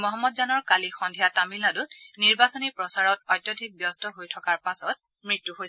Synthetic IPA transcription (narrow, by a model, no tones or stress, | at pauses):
mɔɦɔmːɔdzanɔɹkalixɔndʱijatamilnadʊtniɹbasɔnipɹɔsaɹɔt̚ɔjtːjɔdʱik̚bjɔstɔɦojtʰɔkaɹpasɔt̚ | mɹitːuɦoj